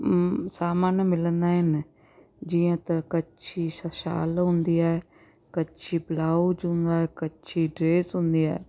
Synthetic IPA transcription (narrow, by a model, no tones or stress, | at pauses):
saːmaːnmɪlənd̪aːɦɪn | d͡ʒiːãːt̪əkətːt͡ʃʰiːsəʃa̰ːlɦʊ̃nd̪iːaɛ | kətːt͡ʃʰiːplaːud͡ʒɦʊ̃nd̪aːɛːkətːt͡ʃʰiːɖɾeːsɦʊ̃nd̪iːɛ̰ː